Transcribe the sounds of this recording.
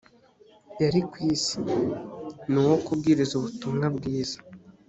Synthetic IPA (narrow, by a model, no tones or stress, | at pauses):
jaɾikwiːsi̥ | nuwokub̚ɡiːɾizuβutumŋabɡiːz̥ḁ